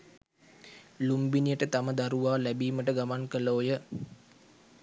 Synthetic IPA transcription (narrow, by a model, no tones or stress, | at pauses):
lumbinijəʈət̪aməd̪aɾuʋaːlæbiːməʈəɡamankəloːjə